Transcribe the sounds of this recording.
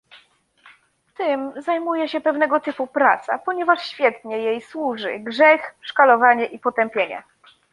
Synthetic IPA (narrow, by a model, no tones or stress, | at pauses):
t̪ɘmzajmujɛɕɛpɛvnɛɡɔt̪ɘpupɾat̪sa̰pɔɲɛvaʂɕfʲjɛt̪ɲɛjejswuʐɘ̰ɡʐɛxʂkalɔvaɲɛʔipɔt̪ɛmpʲjeɲɛ̰